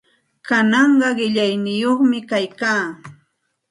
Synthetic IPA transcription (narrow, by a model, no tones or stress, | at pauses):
kanɑɴɢɑɢɪʎajnɪjoχmɪkajkaː